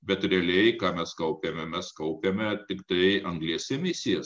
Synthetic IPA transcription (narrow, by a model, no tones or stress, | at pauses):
bʲɛt̪ɾʲɛɐlʲɛɪkɑːmʲɛskɐʊpʲemʲɛmʲɛskɐʊpʲemʲɛt̪ʲɪkt̪ɐɪɐŋɡlʲiɛsʲɛmʲɪsʲɪjɛs